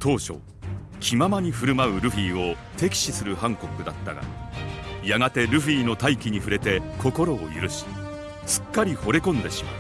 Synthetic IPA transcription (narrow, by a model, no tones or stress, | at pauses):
t̪o̞ːɕo̞̰ | kʲʰimamaɲ̟iɸɯ̟ɾɯ̟maɯ̟ɾɯ̟ɸiːo̞ | t̪e̞kʲi̥ɕisɨɾɯ̟hãŋko̞kɯ̟d̪at̪ːa̰ɡa̰ | jaɡat̪e̞ɾɯ̟ɸiːno̞t̪aikʲiɲ̟iɸɯ̟ɾe̞t̪e̞ko̞ko̞ɾo̞ːjɯ̰ɾɯ̟ɕi̥ | sɨ̥kːaɾʲiho̞ɾe̞kõ̞nd̪e̞ɕi̥ma̰